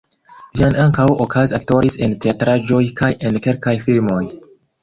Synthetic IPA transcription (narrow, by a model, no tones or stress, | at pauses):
d͡ʒianaŋkawokʰazak̚to̞ɾise̞nteatɾaʒo̞jkʰaje̞nke̞lkajfilmo̞j